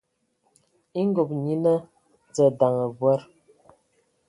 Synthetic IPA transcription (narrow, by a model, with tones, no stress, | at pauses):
i˦ŋɡo˨p̚ɲi˦nə˦ | d͡zə˨da˨ŋə˨bwɛ˦ɾ